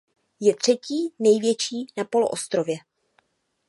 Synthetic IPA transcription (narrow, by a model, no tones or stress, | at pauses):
jɛt̪r̝̥ɛciːnɛjvjɛt͡ʃiːnapo̞loʔost̪ɾovjɛ